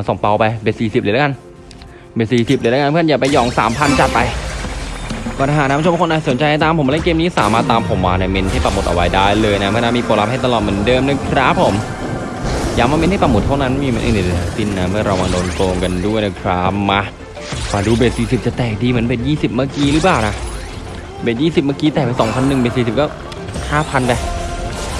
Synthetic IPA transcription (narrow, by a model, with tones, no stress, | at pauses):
sɔ˨˩˦ŋpa˧wpa˧jbeː˧˨˩t̚siː˨˩si˨˩p̚lɯ˨˦lːka˧n | beː˧˩t̪siː˨˩si˨˩p̚liː˨˧˦lːa˧pʰːjaː˨˩pa˧jɔː˨˩ŋsa̰ː˨˩˦mpʰa˧nt͡ɕa˨˩t̪̚pa˧j | kɔː˧˩t̪ʰa˧ɦaː˨˩na˦˥pʰːnʔaː˧˩so˨˩˦nt͡ɕa˧ja˧t̪aː˧mpʰo˩˦ma˧ɛ˦˥keː˧mniː˦˥saː˨˦maː˧˩t̪ːaː˧mpʰo˨˩˦mwaː˧na˧˩me˧nhʰa˥˩jpa˧˩mo˨˩t̪ʔa̰˧wa˦jdaː˥˩jlɤː˧jna˦˥mɯ˥˩˨naː˦˧˥miː˧poː˨˩la˦p̚ha˥˩jt̪a˧lɔː˨˩t̪̚mɯ˩˦ndɤː˧mna˦˥˩kʰɾa˦˥pʰːo˨˩˦m | jaː˨˩maː˧me˧˥nha˥˩pa˧˩mo˨˩t̪ʰːa˥˩wna˦˥n˧miː˧m˨˦ʔiː˨˧˩ni˨˩dna˧˩si˧˥˩nːa˦˥mɯ˥˩ɐɾa˧waː˧doː˧nkoː˧ŋka˧ndu˥˩əjna˦˩kʰɾa˦˥ma˧˥ | maː˧duː˧beː˨˩t̪̚siː˨˩si˨˩p̚t͡ɕa˨˩t̪ɛː˨˩k̚diː˧mɯ˩˦nbeː˨˩t̪̚jiː˥˩si˨˩p̚maː˧˥˩kiː˧ɾɯː˦˥plaː˨˩na˧˩ | beː˨˩t̪̚jiː˥˩si˨˩p̚maː˥˧kiː˧t̪ɛː˨˩k̚pe˧nsɔ˩˦ŋpʰa˧nːɯ˨˩ŋe˧˩nsiː˨˩s̬i˨˩p̚ka˥˩w | haː˥˩pʰa˧npɛ˧˩